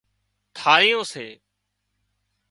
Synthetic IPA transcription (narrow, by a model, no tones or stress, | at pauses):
t̪ʰaːɾijõːseː